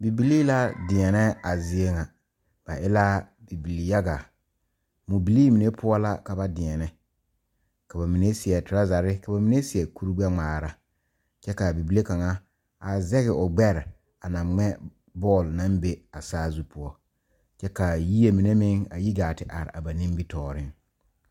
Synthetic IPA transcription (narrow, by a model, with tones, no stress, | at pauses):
bi˨bi˨liː˦la˦dɪ˨ɛ˨nɛ˦a˨zɪ˦e˦ŋa˨ | b̥a˨ʔɪ˦la˦bi˨bi˨li˨ja˦ɡa˨ | mu˨bi˨liː˦mi˨ne˦pʰʊ˦ɔ˦la˦ka˨ba˦dɪ˨ɛ˨nɛ˦ | ka˨ba˨mi˨ne˦sɪ˨ɛ˨tʊ˨ɾa˦za˨ɾɪ˦ka˨ba˨mi˨ne˦sɪ˨ɛ˨ku˦ɾi˦ɡ͡bɛ˦ŋ͡maː˨ɾa˦ | t͡ʃɛ˦ka˨bi˨bi˨˦le˦ka˨ŋa˦ | a˨zɛ˦ɣɪ˨ʔʊ˨ɡ͡bɛ˦ɾɪ˨ | a˨na˨ŋ͡mɛ˦ | bɔː˦˨lna˦mbe˦a˨saː˦zu˦pʰʊ˦ɔ˦ | t͡ʃɛ˦ka˨ji˦e˦mi˨ne˦mɪ˦ŋa˨ji˦ɡaː˨tɪ˨ʔa˨ɾɪ̰˨ʔa˨ba˨nĩ˦mbi˦tɔː˨ɾɪ˦ŋ